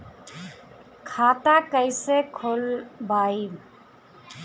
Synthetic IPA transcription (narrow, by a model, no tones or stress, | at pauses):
kʰaːt̪akəɪsekʰʊlbʱaːiː